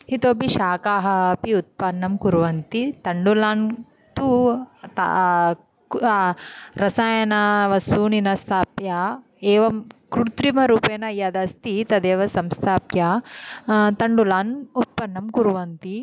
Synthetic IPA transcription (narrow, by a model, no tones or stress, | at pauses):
hit̪oːbiʃaːkaːɦɐpiut̪̚pɐnːɐmkuɾʋɐnt̪it̪ɐɳɖulaːn | t̪ut̪ | ɾɐsaːjɐnɐʋɐsuːninɐst̪ʰaːpja | eːʋɐmkɾut̪ɾimɐɾuːpeːnɐjɐd̪ɐst̪it̪ɐd̪eːʋɐsɐmst̪ʰaːpja | t̪ɐɳɖulaːnut̪̚pɐnːɐmkuɾuʋɐnt̪i